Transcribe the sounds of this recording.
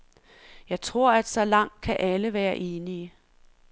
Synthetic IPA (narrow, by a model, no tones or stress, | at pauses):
jɑ̈ɪt͡sʰʁo̝ɐ̰æd̥sɒ̽lɑ̈ŋ̰d̥̚kʰæʔæləʋæːɐʔe̝ːniə